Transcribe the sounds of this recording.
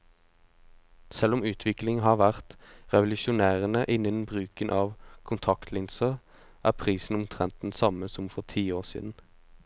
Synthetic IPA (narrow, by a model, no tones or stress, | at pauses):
sɛlʊmʉːt̪ʰʋɪklɪŋɦɑːʁʋæʁt̪ʁɛʋʊlʉʃʊnæːʁənəʔɪnən̩bʁʉːkənʔɑːʋkʰʊnt̪ʰɑkt̪ʰlɪnsə | ʔæːʁpʰʁiːsn̩ʊmt̪ʰʁɛnt̪̚d̪ɛn̩sɑməsɔmfɔʁt̪ʰiːoːʁsḭːd̪n̩